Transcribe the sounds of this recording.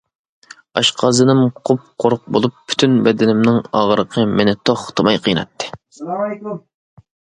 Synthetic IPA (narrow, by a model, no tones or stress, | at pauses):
ɑʃqʰɑzɨnɨmqʰop̚qʰoɾʊq̚bolˠup̚ːʰy̥t̪ʰynbɛd̪ɪnɪmnɪŋɑːʁəɾəqʰəmenɪt̪ʰoχt̪ʰɨmɑjqʰəjnɑ̰t̪ʰːɨ̥